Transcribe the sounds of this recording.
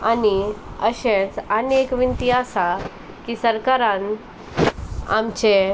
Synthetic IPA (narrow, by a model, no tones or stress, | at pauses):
aniəɕẽt͡sanekʋint̪iɦasa | kisəɾkaɾãn | a̰mt͡ɕe